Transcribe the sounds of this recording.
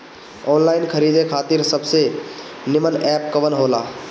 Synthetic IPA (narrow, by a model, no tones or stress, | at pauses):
ɔnlaɪnkʰəɾid̪ekʰat̪iɾsəbʱse | nɪmənɛpkəʋənɦola